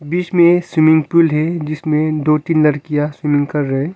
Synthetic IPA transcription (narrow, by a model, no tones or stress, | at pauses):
biːt͡ʃmẽswɪmɪ̃ŋɡpulɦɛd͡ʒɪsmẽd̪oːt̪iːnlɐɾkijaswɪmɪ̃ŋɡkɐɾːɐɦẽ